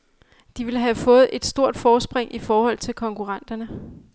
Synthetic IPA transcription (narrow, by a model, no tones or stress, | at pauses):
d̥iʋe̝ləɦæfɔ̽ːð̞̩ˠe̝d̥sd̥o̝ɐ̰d̥fɒːsb̥ʁeŋ̰ʔifɒːhɒ̽l̰t͡sʰe̝lkʰɒ̽ŋkʰuʁɑn̰d̥ɐnə